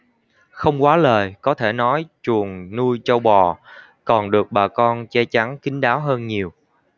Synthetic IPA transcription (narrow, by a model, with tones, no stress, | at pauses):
xə˧wŋ͡mkwaː˨˦ləː˨˩jkɔ˨˦t̪ʰe˧˩nɔ˨˦jt͡ɕu˨˩əŋnu˧jt͡ɕə˧wɓɔ˨˩ | kɔ˨˩nɗɨ˨˩ək̚ɓaː˨˩kɔ˧nt͡ɕɛ˧t͡ɕa˨˦ŋkï˨˦ŋ̟ɗaː˨˦wɦəː˧nɲi˨˩əw